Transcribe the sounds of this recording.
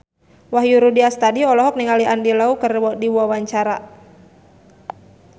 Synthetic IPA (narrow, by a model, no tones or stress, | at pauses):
waɦjuɾudiast̪adiɔlɔɦɔk̚niŋaliʔandilaukərdiwuawaɲt͡ʃaɾa